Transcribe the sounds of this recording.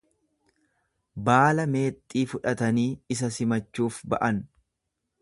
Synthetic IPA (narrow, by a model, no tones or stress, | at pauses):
baːlɐme̞ːt̪ʼːiːfʊᶑɐt̪ɐniːɪs̬ɐsɪmɐt͡ʃːuːfbɐ̰ʔɐn